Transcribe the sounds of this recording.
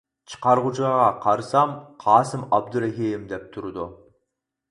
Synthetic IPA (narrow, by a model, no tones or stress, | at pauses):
t͡ʃʰə̥qɑɾʁut͡ʃʰʁɑqʰɑɾsɑmqʰɑːsɪmɑb̚d̪uɾɛɦiɪmd̪ɛp̚t̪ʰʊɾɨd̪ʊ